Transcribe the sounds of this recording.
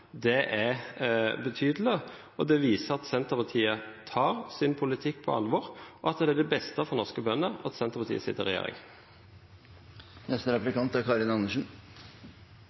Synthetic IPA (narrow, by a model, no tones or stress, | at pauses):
d̪ɛʔæ | bət̪ʰyːd̪əl̩ə | ɔd̪ɛʋiːsəɾɑt̪sɛnt̪əpɑʁt̪ʰiːət̪ʰɑːʁsɪnpʰʊlɪt̪ʰɪk̚ːpʰɔ̰ɑ̰lʋɔɾɔɑt̪̚d̪ɛæɖ̪ɛbɛst̪əfɔʁnɔʁskəbœnːəɑt̪sɛnt̪əʁpɑt̪ḭːəsɪ̰t̪ːəʁɛjḛːɾɪ̰ŋ | nɛst̪əɾɛplɪkɑnt̪æɾkʰɑɾɪnɑnəʂn̩